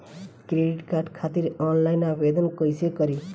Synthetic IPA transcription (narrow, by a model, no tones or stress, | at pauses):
kɾeɖiʈkarɖkʰat̪iɾɔnlajnabed̪ʌnkʌjsekʌɾi